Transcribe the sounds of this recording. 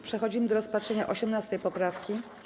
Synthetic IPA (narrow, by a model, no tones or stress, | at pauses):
pʂɛxɔd͡ʑimɘd̪ɔɾɔspatʂɛɲaʔɔɕɛmnast̪ɛjpɔpɾafkʲi